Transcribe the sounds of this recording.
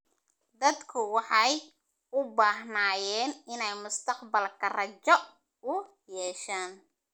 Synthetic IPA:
d̪ɐd̪kʰʊwɑħɑj | ʊbaːɦnaːjɛːnɪnɛjmʊst̪ʰɐqbɐlkʰɐrɐt͡ʃɔ | ʊ | jɛːʃaːn

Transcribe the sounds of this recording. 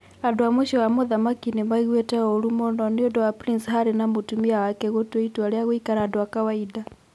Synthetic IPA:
adoamweʃɔamɔðamakinemaiɣwɛtɛɔɾumɔnɔneɔdɔwapɾinsɦaɾenamotumiawakɛɣotweitwaɾeaɣwikaɾadɔwakawaida

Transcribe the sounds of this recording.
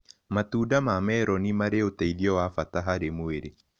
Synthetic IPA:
matuːdamamɛɾɔnimaɾeotaiɾiɔwafataɦaɾemweɾe

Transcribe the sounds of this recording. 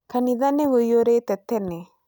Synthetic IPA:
kʰanid̪anːeʋɯjoɾet̪ɛt̪ʰːɛne

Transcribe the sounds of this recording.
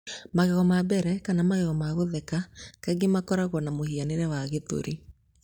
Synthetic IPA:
maɣɛɣɔmabɛɾɛkanamaɣɛɣɔmaɣoðɛkakaɡemakɔɾaɣwɔnamohianeɾɛwaɣeto̰ɾʔi

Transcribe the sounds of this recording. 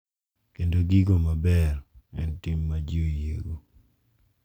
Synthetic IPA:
kendoɡiɡomabɛrɛ̰ntimːad͡ʒiojḛɡo

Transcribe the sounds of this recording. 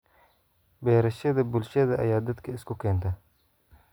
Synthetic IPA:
beːɾɐʃed̪ɐbʊlʃed̪ɐɐ̰jɑːd̪ɐt̪keɪskokeːnt̪a

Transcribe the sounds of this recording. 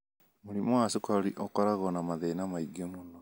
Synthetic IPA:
moɾimɔasekwaɾiʔɔkɔɾaɣɔnamaðeːnamaiɡemonɔ

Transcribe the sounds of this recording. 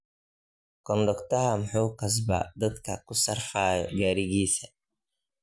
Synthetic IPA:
kɔnd̪ɔkt̪ɐhɐmħuːkɐs̬bɐ̰d̪ɐd̪kʰɐkʊsɐrfaːjɔɡaːɾɪɣiːsɐ̥

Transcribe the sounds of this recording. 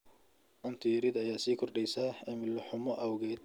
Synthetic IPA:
ʔɐnt̪ʰiɾɪd̪ɐjaːsiːkʰɔrɖɛjsaːɛmɪlʊħʊmɔʔɐwɣɛːd̪̚

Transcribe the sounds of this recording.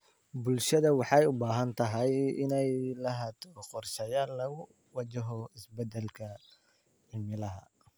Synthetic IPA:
bʊlʃɐðɐwɑħɑjʊbaːɦɐnt̪ʰɐɦɐjɪnɛjlɐɦɐd̪qɔrʃɛjaːllɐɣʊ | wɑt͡ʃɐɦɔɪsbɛd̪ɛlkʰɐ | ħɪmɪlɐɦɐ̰

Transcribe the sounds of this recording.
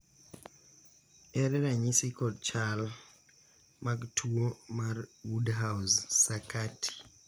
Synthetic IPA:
ɛɾɛɾaɲisikɔdt͡ʃal | maktʰuomarwudɦawzsakatʰi̥

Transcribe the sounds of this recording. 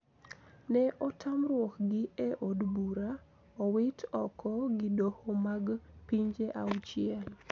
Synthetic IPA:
nɛʔɔtʰamrwɔkɡɪeʔodbuɾa | ɔwɪtʰɔkʰɔɡɪdohomaɡpiɲd͡ʒeʔawt͡ʃɪɛl

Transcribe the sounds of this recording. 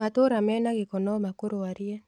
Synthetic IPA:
atoɾamɛnaɣekɔnɔmakoɾoaɾia

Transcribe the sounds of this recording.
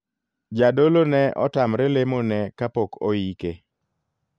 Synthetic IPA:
d͡ʒadolonɛʔɔtamɾɛlemonɛkapoko̰ike

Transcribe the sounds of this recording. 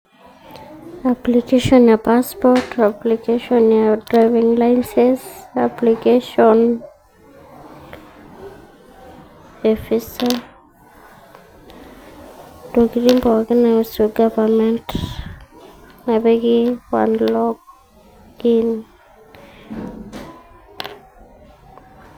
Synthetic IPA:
aplikesionjapaspoɾtaplikeʃonjadɾajβiŋlajnsesaplikeson | efisa | doɡiɾimpooɡanasuɡabament | nabeɡiwa̰nlok | ɡin

